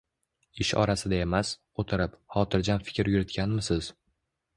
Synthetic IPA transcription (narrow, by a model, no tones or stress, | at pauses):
ɪʃɒ̰ɾasɪd̪ae̞mas | ot̪ʰɪɾɪphɒt̪ʰɪɾd͡ʒʲanfɪ̥kʲɾjʊɾɪt̪kʲanmɪsɪz̥